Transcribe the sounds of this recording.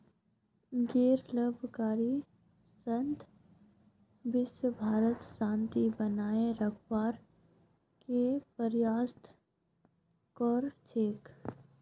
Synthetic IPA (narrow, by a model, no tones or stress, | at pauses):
ɡeːɾləbʱkaːɾi | sə̃nt̪ | ʋɪʃwəbʱaːɾət̪ʃãːnt̪ibənaːeɾəkʰwaːɾ | kepəɾjaːst̪ | kɔːɾt͡ʃeːk